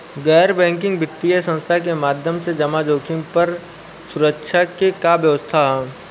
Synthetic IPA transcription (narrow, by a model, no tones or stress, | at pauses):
ɡɛːɾbɛ̃ːŋkɪ̃ŋɡbɪt̪ːiəsə̃nst̪ʰak̬emaːd̪ʱjəmsed͡ʒɐmad͡ʒoːkʰɪ̃ŋpɐɾ | sʊɾəkʃʰakekabjəʋəst̪ʰaɦɛ